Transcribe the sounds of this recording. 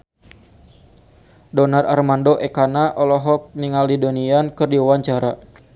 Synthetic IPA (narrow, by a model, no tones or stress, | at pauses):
dɔnara̰rmandoʔɛkanaʔɔlɔɦɔk̚niŋaldidoniankɨrdiuwaɲt͡ʃaɾa